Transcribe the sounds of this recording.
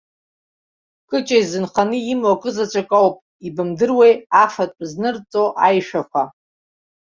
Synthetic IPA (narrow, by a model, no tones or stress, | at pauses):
kʼɨt͡ʃʼajzɨnχanɨimwakʼɨzat͡ɕʷʰʼakʼawpʼ | ibɨmdɨrwejafatʷʼznɨrt͡sʼo̞ʔajʃᶣakʷʰa